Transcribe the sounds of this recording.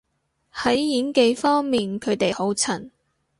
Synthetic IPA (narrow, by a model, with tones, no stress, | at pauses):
hɐ˨˥jːiː˨˥nke˧jfɔː˥ŋmiː˨nkʰɵ˨˧ɥt̪e˨jho˨˥wt͡sʰɐ˨˩n